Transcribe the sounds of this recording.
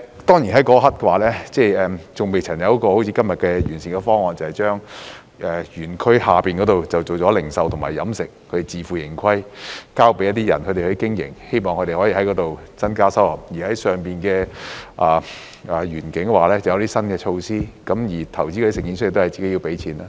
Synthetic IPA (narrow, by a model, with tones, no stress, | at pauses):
t̪ɔː˥ŋji˨˩ɦɐ˨˥jkɔː˧˥˧ɦɐ˥t̚kɛ˧waː˨˧˦lɛː˥t͡sɛː˥˧ɛː˨mt͡sʊ˨ŋme˨jt͡sʰɐ˨˩njɐ˨˥wkɔː˧ho˨˥wt͡sʰiː˨˧˥kɐ˥mjɐ˨t̚kɛː˧jyː˨˩nsiː˨˩ŋkɛ˧fɔː˥ŋːɔː˨˧nt͡sɐ˨whɐ˨˩jt͡ʃœː˥ŋ | ʔɛː˨jyː˨˩nkʰɵ˥haː˨piː˨nkɔ˨˧˥t̪o˨wt͡sɐ˨wt͡so˨wt͡ʃɔː˨˥lɪ˨˩ŋsɐ˨˧wt̪ʰʊ˨˩maː˨˩jɐ˨˧˥msɪ˨k̚ʰɾe˨˩t͡siː˨˩fuː˨˩jɪ̰˨˩ŋkʰɐ˥jkaː˥wpe˨˥jɐ˥t̪ːi˥jɐ˨˩nkʰɵ˨˧ɾe˨˩hɵ˧ɥkɪ˥ŋjɪ̰˨˩ŋhe˥jmɔː˨ŋʰɵ˨˧ɾe˨˩hɔː˨˥jiː˨˩ɦɐ˨˥jkɔː˨˥t̪o˨w | t͡sɐ˥nkaː˥sɐ˥whɐ˨˩p̚jiː˨˩hɐ˨˥jsœː˨ŋpiː˨˩nkɛː˧ʔaː˨ | ɐː˨˩jyː˨˩nkɪ˨˥ŋɛ˧waː˨˥lɛː˥t͡sɐ˨˩jɐ˨˧wt̪iː˥sɐ˥nkɛː˧t͡ʃʰo˧wsiː˥kɐ˨˧˥mjiː˨˩t̪ʰɐ˨˩wt͡ɕi˥k̪ːi˥sɪ˨˩ŋkiː˨˥nsʰt̪o˥hɐ˨˩jt͡si˨ke˨˥ji˧wpe˨˥jt͡sʰiː˨˥naː˧